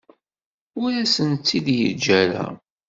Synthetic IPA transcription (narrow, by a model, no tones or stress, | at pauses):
ʊɾæsənt͡sːid̪jə̰d͡ʒːæɾæ̰